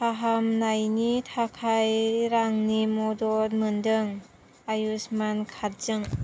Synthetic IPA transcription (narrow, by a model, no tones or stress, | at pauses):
paɦamnajnitʰakʰajɾaŋnimɔdɔtmɯndɯŋ | ajusmankʰaɾ̚zɯŋ